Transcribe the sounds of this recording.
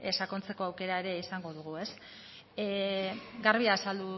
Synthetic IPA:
esakont͡se̞ko̞awke̞ɾae̞ɾe̞isaŋɡo̞ðuɣ̞ue̞s | ɡaɾβiaːsald̪u

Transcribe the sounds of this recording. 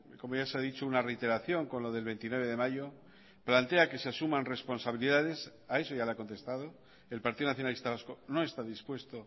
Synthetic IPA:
ko̞moʝaseaðit͡ʃounare̞ijt̪e̞ɾaθjo̞ŋko̞nloðe̞lβe̞nt̪inwe̞β̞e̞ðe̞maʝo̞ | plant̪e̞ake̞seasumãnre̞spo̞nsaβiliðað̞e̞sae̞so̞ʝaleako̞nt̪e̞st̪að̞o̞ | e̞lpaɾt̪iðonaθjo̞nalist̪aβasko̞no̞e̞st̪aðispwe̞st̪o̞

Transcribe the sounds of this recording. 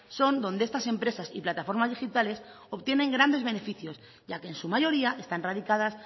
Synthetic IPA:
so̞nd̪o̞nd̪eest̪ase̞mpɾe̞sasiplat̪afo̞ɾmazðixit̪ale̞s | o̞βt̪je̞ne̞ŋɡɾand̪e̞zβe̞ne̞fiθjo̞z | ɟ͡ʝake̞ːnsumaʝo̞ɾiaʔe̞st̪anraðikað̞as

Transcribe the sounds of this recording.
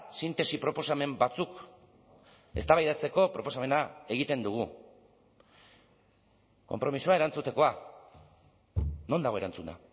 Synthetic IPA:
sint̪e̞sipɾo̞po̞same̞mbat͡suk | e̞̰st̪aβajðat͡se̞ko̞pɾo̞posame̞nae̞ɣit̪e̞nd̪uɣ̞u | ko̞mpɾo̞misuae̞ɾant͡sut̪e̞ko̞a | no̞nd̪aɣo̞eɾant͡suna̰

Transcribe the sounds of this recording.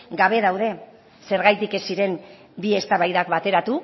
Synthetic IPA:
ɡaβ̞e̞ðawð̞e̞ | se̞ɾɣajt̪ike̞siɾe̞m | bie̞st̪aβajðakβat̪e̞ɾat̪u

